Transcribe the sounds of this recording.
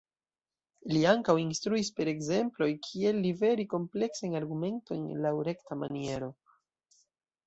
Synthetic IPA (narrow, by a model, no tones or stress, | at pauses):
liaŋkawinstɾuispe̞ɾe̞ɡze̞mplo̞jkʰie̞lːive̞ɾiko̞mple̞ksajaɾɡume̞nto̞jnlawɾe̞ktama̰nie̞ɾo̞